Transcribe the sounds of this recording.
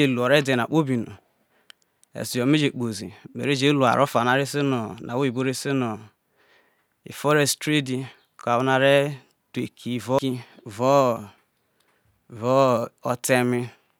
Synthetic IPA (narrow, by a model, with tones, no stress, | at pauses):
e˨lu˨ɔ˨ɾe˦de˨na̰˨k͡po˦bi˨no̰˨ | ḛ˨si˨jɔ˨me˦d͡ʒe˨k͡po˨zḭ˨mḛ˨ɾi˦d͡ʒe˦lu˨a̰˨ɾʔɔ˦fa˨na˦ɾɪ˦si˦nɔ˨na̰˨wi˦˨bo˦ɾe˦si˦nɔ˨ | ḭ˨fɔ˦ɾe˨sttɾe˦di˨ | ka˨wna˨ɾe˦ | te˨kʰi˨vɔ˦i˦vɔ˦˨ | vɔ˦ɔ˦te˦mɪ˦